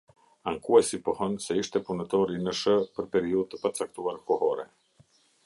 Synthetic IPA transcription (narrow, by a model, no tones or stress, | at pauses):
aŋkuajsipɔhɔnsɛiʃt̪ɛpunət̪ɔɾinəʃəpəɾpɛɾiuðt̪əpat͡sak̚t̪uaɾkɔhɔɾɛ̰